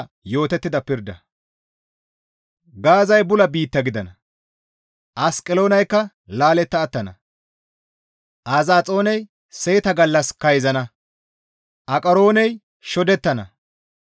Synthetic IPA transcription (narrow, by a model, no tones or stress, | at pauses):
jo̞ːt̪ɛt̪ːɪd̪ɐpɪɾd̪ɐ̰ | ɡaːzɐjbʊlɐbiːt̪ːɐɡɪd̪ɐnɐ | ʔɐskʼɪlo̞ːnɐjkːɐ | laːlɛt̪ːɐːt̪ːɐnɐ̰ | ʔaːzaːt͡sʼo̞ːnɛj | se̞ːt̪ɐɡɐlːɐskɐjzɐnɐ | ʔɐkʼɐɾo̞ːnɛj | ʃɔd̪ɛt̪ːɐnɐ